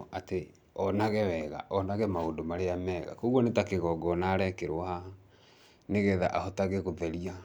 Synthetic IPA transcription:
ate | ɔnaɣɛwɛɣa̰ʔɔnaɣɛmaoːndomaɾeamɛːɣa̰koɣwɔnetakeɣɔɡɔnaːɾɛkeɾwaha | neɣɛðaʔahɔtaɣeɣoðɛɾia

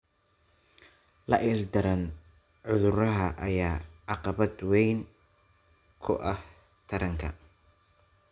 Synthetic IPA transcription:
lɐ̰ʔɪrd̪ɐɾɐn | ʕʊðʊrɐɦɐʔɐjaːʕɑqɑβɐd̪wɛjn | kʰʊ̰ʔɐh | t̪ʰɐɾɐŋkʰɐ̰

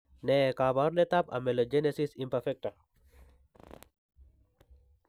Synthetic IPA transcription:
nekabaɾnet̪apɐ̰melod͡ʒenesisimpɐɾfek̚ʈa

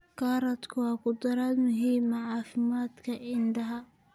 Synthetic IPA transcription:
kʰaːɾɐd̪kʰʊwɑːkʰʊd̪ɐɾaːd̪mʊɦiːmɐʕɑːfɪmaːd̪kʰɐʔɪnd̪ɐɦɐ

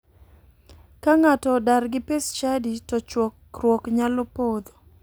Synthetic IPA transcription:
kaŋatɔdaɾɡɪpest͡ʃaditɔt͡ʃwɔkɾwɔkɲalɔpod̪o

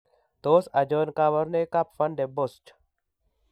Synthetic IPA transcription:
t̪oːsɐd͡ʒonkaːʋɐɾnekapfɐnɖebost͡ʃʰ

